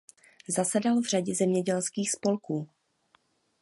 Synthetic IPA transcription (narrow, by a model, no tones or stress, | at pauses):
zasɛdalvr̝aɟɛzɛmɲɛɟɛlskiːxspo̞lkuː